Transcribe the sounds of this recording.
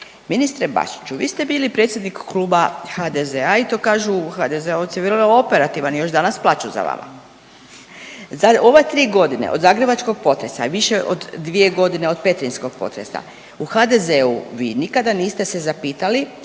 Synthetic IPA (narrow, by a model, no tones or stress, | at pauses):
minist̪ɾeba̰ʃi̥t͡ʃuʋḭːst̪e̞biːlipɾet̪sʲje̞d̪nikːlˠuːbaxad̪ezeait̪o̞ːkaːʒuxad̪ezeoseʋɾnoo̞peɾat̪iʋanijo̞ʒd̪anasplˠaːt͡ʃuza̰ʋa̰ma̰ | zao̞ʋet̪ɾiːɡo̞d̪inḛʔo̞d̪zaːɡɾe̞bat͡ʃko̞ɡ̚po̞t̪ɾe̞sa̰ʋiʃe̞ʔo̞̰d̪ːʋie̞ɡo̞d̪ine̞o̞d̪pe̞t̪ɾinsko̞ɡ̥̚po̞̰t̪ɾe̞̰sa̰ | uxad̪e̞zeṵʋiːnikad̪aniːst̪esezapiːt̪ali